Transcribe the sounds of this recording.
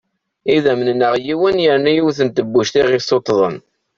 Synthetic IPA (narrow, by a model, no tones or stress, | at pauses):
iðæmnnːəʁjiwənjəɾnæjiwθənt̪əbːuʃt̪iʁɪsot̪ːðˤə̰n